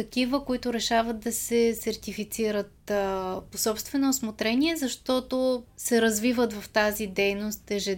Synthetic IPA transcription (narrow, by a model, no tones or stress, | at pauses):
t̪ɐk̟ivəkoit̪ʊɾɛʃavəd̪̚d̪ɐsɛsɐɾt̪ifit̪siɾət̪posɔpst̪vɛnoːsmot̪ɾɛniɛzɐʃt̪ɔt̪osɛɾɐzvivət̪vɐft̪azid̪ɛjnost̪ɛʒɛ